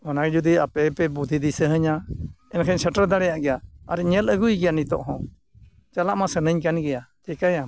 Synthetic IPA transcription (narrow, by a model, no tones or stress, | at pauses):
ɔnakɛd͡ʒud̪iapɛpɛbud̪ʱid̪isəɦəɲaɛnkʰəɲsəʈəɾd̪aɽɛjaʔɡɛjaaɾɛɲɛləɡujɡɛjanit̪ɔ̰ʔɦɔ̃ | t͡ʃalaʔmasənəɲkanɡɛjad͡ʒɛkaja